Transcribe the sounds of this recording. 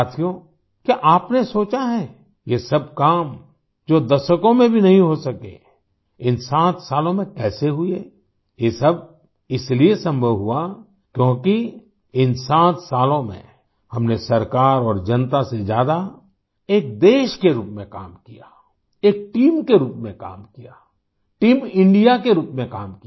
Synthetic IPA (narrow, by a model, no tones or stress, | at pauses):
aːt̪ʰijo | kiʔaːpnesoːt͡ʃaɦɛ̃ | jesɐb̚kaːm | d͡ʒoːd̪ɐʃəkõmẽbʱinɐɦĩɦosɐkḛ | ɪnsãːt̪ʰsaːlõmẽkɛːseɦʊe | jesɐb̚ | ɪsliesɐ̃mbʱəʋɦua | kjõːki | ɪnsãːt̪saːlõmḛ̃ | hɐmnesɐɾkaːɾɔːɾd͡ʒɐnt̪ased͡ʒjaːd̪a | eːk̚d̪eːʃkeɾuːpmẽka̰ːmkijaː | eːk̚ʈiːmkeɾuːpmẽka̰ːmkijaː | ʈiːmɪ̃ɳɖijakeɾuːpmẽkaːmk